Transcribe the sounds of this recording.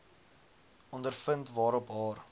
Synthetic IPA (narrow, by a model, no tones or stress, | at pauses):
ɔndərfəntvɑːɾɔpɦɑːr